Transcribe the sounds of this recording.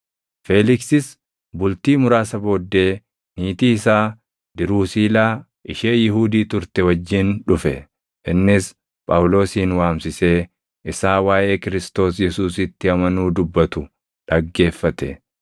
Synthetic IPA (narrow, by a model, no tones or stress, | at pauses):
feːlɪksɪs | bʊlt̪iːmʊɾaːsɐbo̞ːd̪ːe̞ː | niːt̪iːɪsaː | d̪ɪɾuːsiːlaː | ʔɪʃeːjɪɦuːd̪iːt̪ʊɾt̪ɛwɐd͡ʒːɪnᶑʊfɛ | ʔɪnːɪs | pʼɐwlo̞ːsiːnwaːmsɪse̞ː | ʔɪsaːwaːʔe̞ːkɪɾɪst̪o̞ːsjɛsuːsɪt̪ːɪɐmɐnuːd̪ʊbːɐt̪ʊ | ᶑɐɡːe̞ːfːɐt̪ɛ